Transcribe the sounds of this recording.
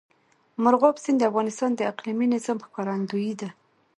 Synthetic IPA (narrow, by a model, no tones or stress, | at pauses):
mʊɾɣɑpsind̪əafɣɑnɪst̪ɑnd̪əaqliminɪzɑmxkɑɾand̪ujid̪a